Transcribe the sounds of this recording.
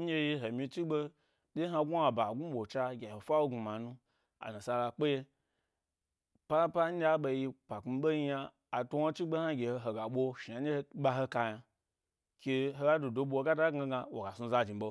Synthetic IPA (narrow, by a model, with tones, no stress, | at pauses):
d͡ʒe˦ji˧ɦo˨mĩ˧t͡ʃi˦ɡ͡be˦ | de˦ɦa˧ɡu˦a˨ba˨ɡu˦ɓo˨t͡ʃa˧ɡʲa˨ho˨fa˦wo˦ɡu˧ma˨nũ˦ | a̰˨na˨sa˧la˧k͡pe˦je˧ | pa˦pa˦ɲ̩˦d͡ʒʲa˦ɓo˧ji˧pʷa˨ku˧ɓo˦ji˧˦jaː˧˨ | to˦wa˦t͡ʃi˦ɡ͡be˦ha˦ɡʲe˨ho˧ɦo˨ɡa˨ɓʷo˧ʃi˨a˨˦e˦hɓa˧ɦo˧ka˧ja˧ | kʲe˧ɦo˧ɡa˦do˨do˧ɓo˧o˧ɡa˦da˦ɡa˧ɡa˧wo˨ɡa˨su˧za˧d͡ʒi˨ɓo˧